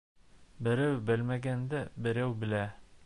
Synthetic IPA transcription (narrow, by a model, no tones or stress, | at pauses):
bɘ̆ɾæwbɘlmæɡænd̪æbɘ̆ɾæwbɘ̆læ